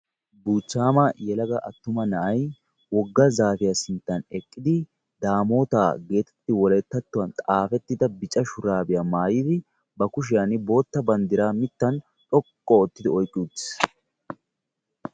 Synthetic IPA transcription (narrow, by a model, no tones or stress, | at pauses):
buːt͡ʃːaːmɐjɛlɐɡɐʔɐt̪ːʊmɐnɐʔɐj | wɔɡːɐzaːfɪjasɪnt̪ːɐnɛkʼːɪd̪ɪ | d̪aːmo̞ːt̪a̰ːɡe̞ːt̪ɛ̥t̪ːɪwɔlɛt̪ːɐt̪ːʊwɐnt̪ʼaːfɛt̪ːɪd̪ɐbɪt͡ʃʼɐʃʊɾaːbɪjamaːjɪd̪ɪ | bɐkʊʃ̬ɪjanɪbo̞ːt̪ːɐbɐnd̪ɪɾaːmɪt̪ːɐn | t̪ʼɔkʼːɔɔt̪ːɪd̪ɪɔjkʼːɪut̪ːɪ̥s